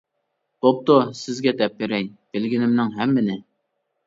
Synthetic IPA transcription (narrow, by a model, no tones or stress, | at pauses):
op̚t̪osɪzɡʲɛd̪ɛp̚beɾɛjb̥ɪlɡʲinɪmnɪŋɦɛmːɪnɪ